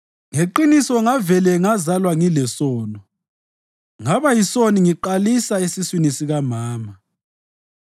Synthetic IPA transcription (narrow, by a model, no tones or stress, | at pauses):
ŋeǃinisɔŋavɛlɛŋazalwaŋilɛsɔːnɔ | ŋaβajisoniŋiǃalisaesiswinisiɣamaːma